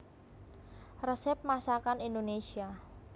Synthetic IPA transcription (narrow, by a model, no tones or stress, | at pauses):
rəsɛp̚masakanind̪onesia